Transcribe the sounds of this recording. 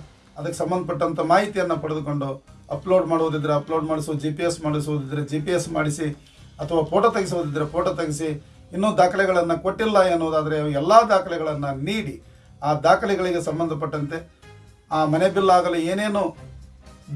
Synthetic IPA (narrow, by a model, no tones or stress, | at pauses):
ɐd̪ɐkːesɐmbɐnd̪ɐpɐʈːɐnt̪ʰɐmaːɦit̪ijɐnːɐpɐɽed̪uko̞ɳɖuɐploːɖmaːɽuʋd̪id̪ːɐɾeɐploːɖmaːɽisud͡ʒiːpijesmaːɽisuʋud̪id̪ːɐɾed͡ʒiːpijesmaːɽisi | ɐt̪ʰɐʋaːpʰoːʈɐt̪ɐɡis̬uʋud̪id̪ːɐɾepʰoːʈɐt̪ɐɡis̬i | inːuːd̪aːkɐlɛɡɐɭɐnːɐko̞ʈːilːɐenːuʋud̪aːd̪ɐɾeʋɛlːaːd̪aːkʰɐlɛɡɐɭɐnːɐniːɽi | aːd̪aːkʰɐliɡɐɭiɡe̞sɐmbɐnd̪ʱɐp̬ɐʈːɐnt̪e̞ | aːmɐnebilːaːɡɐleeːne̞ːnu